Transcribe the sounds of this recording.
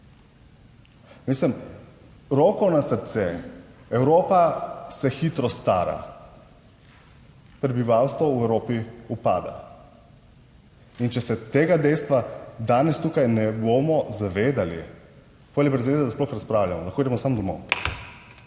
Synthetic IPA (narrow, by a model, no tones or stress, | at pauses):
mislɛm | ɾoːkɔnasəɾt̪sɛɛwɾoːpasɛxit̪ɾɔst̪a̰ːɾa̰ | pɾɛbiʋaːwst̪ʋɔuɛwɾoːpiupa̰ːd̪a̰ | int͡ʃɛsɛt̪eːɡad̪ɛjst̪ʋad̪aːnɛst̪ukajnɛboːmɔzaʋeːd̪ali | poalibɾɛzaʋeːzɛd̪asplɔxɾaspɾaːwljamɔlaxkoːid̪ɛmɔsamd̪ɔmo̰